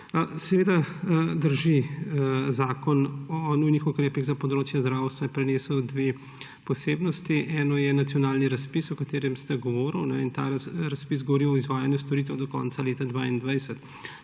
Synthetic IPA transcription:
sɛʋeːd̪ad̪əɾʒi | zaːkɔnɔnujnixukɾeːpiɣzapɔd̪ɾoːt͡ʃjɛzd̪ɾaːwst̪ʋapɾɛneːsɔwd̪ʋe | pɔseːbnɔst̪iʔɛːnɔjɛnat̪sjɔnaːlniɾɐspisɔkat̪eːɾɛmst̪ɛɡɔʋɔːɾəwnɛint̪aːɾaspisɡɔʋɔɾiwɔizʋaːjanjust̪ɔɾit̪ɛwd̪ɔkɔ̰nt̪saleːt̪ad̪ʋaːind̪ʋajsɛt̪

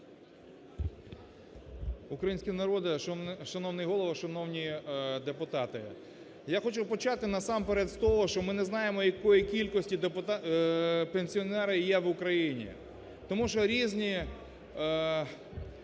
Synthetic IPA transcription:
ʊkɾɐjinsʲkʲinɐɾɔd̪ɪʃɐnɔwnɪjɦɔlˠɔʋɐʃɐnɔwnʲid̪epʊt̪ɑt̪ɪ̰ | jaxɔt͡ʃʊpɔt͡ʃɑt̪ɪnɐsɑmpeɾɛd̪st̪ɔɦɔʃt͡ʃɔmɪnɛznɑjemɔjɐkɔjikʲilʲkɔsʲtʲid̪pʊt̪ | penʲsʲiɔnɛɾɐjɛʋʊkɾɐjinʲḭ | t̪ɔmuʃɔɾʲizʲnʲi

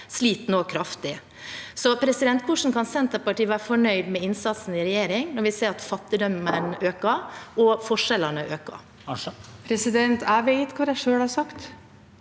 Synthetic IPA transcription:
sliːt̪noːkʰɾɑft̪ɪ | sɔpʰɾɛsɪd̪ɛnt̪̚pʰʊʂn̩kʰɑnsɛnt̪əpɑʈiːʋæːɾəfɔɳœʏd̪mɛɪnsɑt̪sn̩ɪɾɛjeːɾɪŋnɔɾʋɪseːɾɑt̪fɑt̪ːɪd̪ɔmənøːkəɔfɔʂɛlənəʔøːkə̰ | pʰɾɛsɪd̪ɛnt̪æʋeɪt̪kʰʋɑːɾæʂøːɽhɑɾsɑkt̪

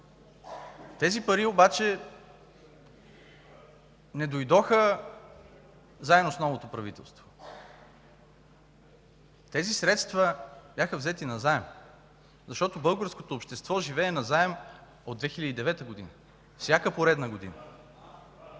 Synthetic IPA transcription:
t̪ɛzipɐɾiobat͡ʃɛ | nɛd̪ojd̪ɔxə | zaɛnosnɔvot̪opɾɐvit̪ɛ̰lˠst̪vo̥ | t̪ɛzisɾɛt̪st̪vəbjaxəvzɛt̪inɐzaɛm | zɐʃt̪ɔt̪obɤlˠɡəɾskot̪oːpʃt̪ɛst̪vɔʒivɛːnɐzaɛm | od̪d̪vɛxilʲəd̪id̪ɛvɛt̪əɡod̪inə | fsʲjakəpoɾɛd̪nəɡod̪ḭnə

